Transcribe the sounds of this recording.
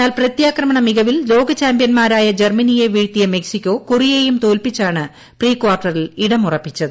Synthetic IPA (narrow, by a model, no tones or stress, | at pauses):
aːlprɐt̪jaːkrɐmɐɳɐmiɣɐʋillo̞ːɡɐt͡ɕaːmbijɐnmaːɾaːjɐd͡ʑermɐnije̞ʋiːɻt̪ːijɐme̞ksikʲːo̞ːkurijeːjumt̪o̞ːlpit͡ɕːaːɳɨ | priːkwaːrʈːɐriliɽɐmurɐpːit͡ɕːɐðɨ